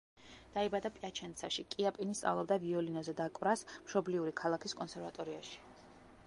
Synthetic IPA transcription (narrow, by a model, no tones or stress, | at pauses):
d̪̥aibad̪apʼiat͡ʃʰɛnt̪sʰaʃikʼiapʼinist̪sʼa̰vlˠɔb̚d̪aviɔlinɔzɛd̪akʼvɾasmʃɔbliuɾikʰalˠakʰiskʼɔnsɛɾvat̪ʼɔɾiaʃi̥